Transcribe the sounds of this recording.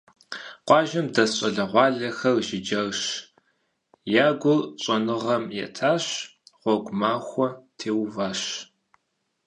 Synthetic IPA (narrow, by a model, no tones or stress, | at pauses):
qʷɑːʒɐmdɐɕʼɐɮɐʁʷɑːɮɐxɐrʒɪd͡ʒɐrɕ | jaːɡʷʊlɕʼɐnɨʁɐmjɛ̰tʰaːɕʁ̥ʷɔɡʷʊmaːxʷɔtʰeːwvaːɕ